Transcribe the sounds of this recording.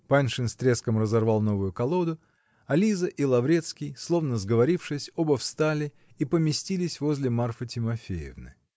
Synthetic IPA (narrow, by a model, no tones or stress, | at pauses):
panʲʂɨnsʲt̪ɾʲe̞skəmrəzɐrvɑlˠno̞vʊjʊkɐlˠod̪ʊ | ɐlʲizəʔilˠɐvɾʲe̞t̪skʲɪjslˠo̞vnəzɡəvɐɾʲifʂɨsʲobɐfst̪alʲɪ | ipəmʲɪsʲtʲilʲɪsʲvo̞zʲlʲɪmarfɨtʲɪmɐfʲejɪ̰vnɨ̰